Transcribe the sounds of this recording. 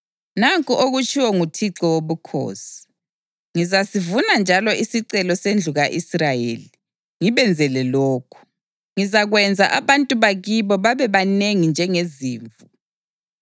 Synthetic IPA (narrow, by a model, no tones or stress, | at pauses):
naŋkʼuʔoɣut͡ʃʰʼiwɔŋutʰiǁɔwoβukʰo̰ːsi̥ | ŋizasivunand͡ʒʱalɔʔisiǀɛlɔsend͡ɮʱuɣaʔisrajḛːli | ŋiβɛnd͡zʱɛlɛlɔːkʰu̥ | ŋizaɣwɛnd͡zʱaʔaβantʼuβaɣiβɔβaβɛβaneŋind͡ʒʱɛŋeziːɱvu